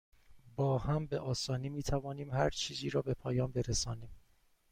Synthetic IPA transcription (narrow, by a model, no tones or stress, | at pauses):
bɒːhæmbe̞ʔɒːsɒːniːmiːt̪ʰævɒːniːmhæɾt͡ʃʰiːziːɾɒːbe̞pʰɒːjɒːnbe̞ɾesɒːniːm